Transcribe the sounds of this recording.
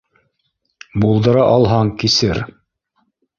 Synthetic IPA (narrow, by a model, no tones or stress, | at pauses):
bulˠd̪ɤ̆ɾɑʔɑlˠɦɑŋkisɘɾ